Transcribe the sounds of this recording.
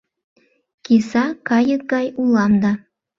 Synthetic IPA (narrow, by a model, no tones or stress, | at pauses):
kesɑkɑjək̚ɡɑjulɑmd̪ɑ